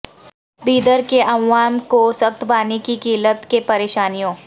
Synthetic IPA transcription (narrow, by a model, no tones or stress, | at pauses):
biːd̪əɾkeʔɐʋːaːmkosɐxt̪baːnikikiːlət̪kepɐɾeːʃaːnijõː